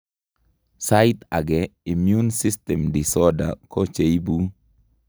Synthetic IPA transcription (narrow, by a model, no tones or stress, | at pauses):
sajt̪aɡɛimjunsistɛmdisɔda̰kɔt͡ʃejbu